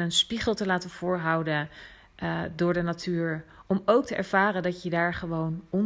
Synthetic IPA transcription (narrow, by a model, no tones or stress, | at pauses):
nənspiχəlˠtəlaːtənv̥ʊːɹɦɑwdən | dʊːɹdənatʰyːɹɔmowk̚təʔɛ̰ɹv̥aːrəndɑtjədaːɹχəʋownɔn